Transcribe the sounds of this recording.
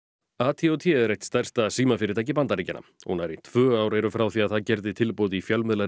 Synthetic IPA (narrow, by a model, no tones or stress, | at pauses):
aːt̪ʰiɔwt̪ʰɛðɾejt̪st̪ar̥st̪asiːmafɪɾɪɾt̪ajc̬ɪpant̪aɾicɪnːa̰mhunaɾɪt̪ʰvœːaːwɾejɾʏfɾawθiaðθaðcɛɾðɪt̪ʰɪlpowðifjœlmɪðla